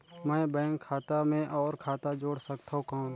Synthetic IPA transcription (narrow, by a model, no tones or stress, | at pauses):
mɛ̃ːbɛ̃ːŋkʰːaːt̪amẽʔɔːɾkʰaːt̪ad͡ʒoːɽsəkt̪aɦõkaː